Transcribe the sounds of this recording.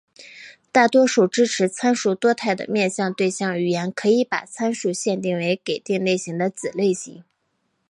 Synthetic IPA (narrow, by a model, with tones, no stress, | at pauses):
t̪a˥˩t̪wɔ˥ʂu˨˩ʈ͡ʂɻ̩˥ʈ͡ʂʰɻ̩˧˥t͡sʰa˥nʂu˥˩t̪wɔ˥t̪ʰa˥˩ɪd̪ə̰˩mjɛ˥˧nɕjɑ˥˧ŋt̪we˥˧ɪɕjɑ˥˩ŋy˨˩jɛ˧˥nkʰɤ˧˥i˧˥pa̰˨˩t͡sʰa˥nʂu˥˩ɕjɛ˥˧nt̪i˥˩ŋwe˧˥ɪke˨˩ɪt̪i˥˧ŋle˥˩ɪɕi˧˥ŋd̪ə˧t͡sɹ̩˨˩le˥˩ɪɕḭ˧˥ŋ